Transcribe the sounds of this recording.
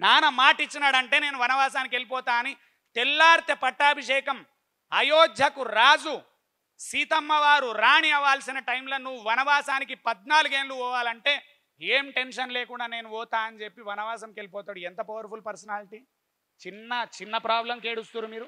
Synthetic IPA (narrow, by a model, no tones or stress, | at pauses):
naːnɐmaːʈit͡ʃːinaːɽɐɳʈe̞ːne̞ːnuʋɐnɐʋaːsaːnikielipɔːt̪aːɐni | t̪elːaːɾt̪epɐʈːaːbʱiʂɛːkɐm | ɐjoːd͡ʒ̪jɐkuɾaːd͡ʒu | siːt̪ɐmːɐʋaːɾuɾaːɳiɐʋaːlsinɐʈɐjmlɐnuʋuʋɐnɐʋaːsaːnikipɐd̪naːluɡe̞ːnluɔːʋaːlɐɳʈe̞ː | eːmʈe̞nʂɐnleːkuɳɖaːne̞ːnuɔːt̪aːɐnit͡ʃe̞pːiʋɐnɐʋaːsɐmkelipɔːt̪aːɽuent̪ɐpɐʋɐɾpʰulpɐɾsɐnaːliʈi | t͡ʃinːɐt͡ʃinːɐpɾaːblɐmkeːɽust̪uːɾumiːɾu